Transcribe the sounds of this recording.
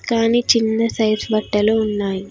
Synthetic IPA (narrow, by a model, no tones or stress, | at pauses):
kaːniːt͡ʃinːɐsɐjsbɐʈːɐluunːaːji